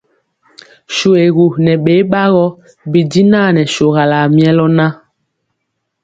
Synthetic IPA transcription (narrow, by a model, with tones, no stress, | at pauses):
ʃo˨e˨ɣu˨nɛ˨ɓe˨˦ɓa˦ɣɔ˦ | bi˨di˦na˦˨nɛ˨ʃo˨ɣa˨la˨mi˨˦ɛ˦lɔ˦na˦